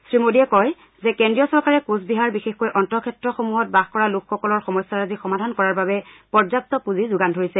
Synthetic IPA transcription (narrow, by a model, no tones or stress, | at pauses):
sɹimodiɛkɔj | zɛkɛndɹijɔsɔɹkaɹɛkusbiɦaɹbixexkojʔɔntɔkʰɛtɹɔxomuɦɔt̚baxkɔɹalukʰxɔkɔlɔɹxɔmɔsaɹazixɔmadʱankɔɹaɹbabɛpɔɹzap̚tɔpuzizʊɡandʱoɹisɛ